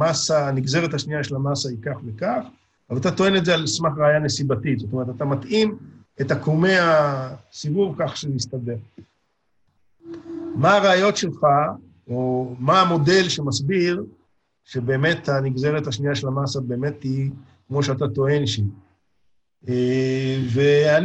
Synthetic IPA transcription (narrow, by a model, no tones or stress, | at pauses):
masaːniɡze̞ʁet̪haʃniaʃelamasaikaχvekaχ | alat̪at̪o̞enetzealsmaχʁaːjanesibatitzotome̞et̪at̪amat̪im | etakume̞asivuvkaχʃeist̪ade̞ʁ | maːʁaːjo̞tʃelχa | omaːmo̞de̞lʃe̞masbiʁ | ʃe̞be̞ːme̞t̪haniɡzeʁethaʃnijaʃelamasabe̞ːme̞thi | kmo̞ʃ̬eat̪ato̞e̞nʃi | evean